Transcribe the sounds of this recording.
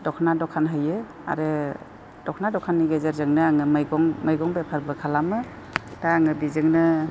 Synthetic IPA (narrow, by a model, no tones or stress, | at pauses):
dɔkʰnadɔkʰanɦɯjɯ | a̰ɾɯ | dɔkʰnadɔkʰanːiɡezeɾzɯŋnɯaŋɯmɡɔŋmajɡɔŋbepʰaɾbɯkʰalamɯ | d̥aaŋɯbizɯŋnɯ